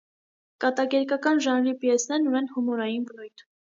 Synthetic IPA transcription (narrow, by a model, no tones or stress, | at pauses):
kɑt̪ɑɡɛɾkɑkɑnʒɑnɾipjɛsnɛɾnunɛnhumɔɾɑjinvənujt̪ʰ